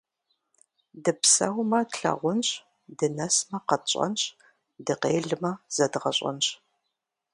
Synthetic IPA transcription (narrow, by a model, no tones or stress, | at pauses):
dɨpsɐwmɐtɬɐ̰ʁʷʊnɕ | dɨnɐsmɐqɐɕʼɐ̰nɕ | dɨqeːɮɨmɐz̥ɐdʁɐɕʼɐ̰nɕ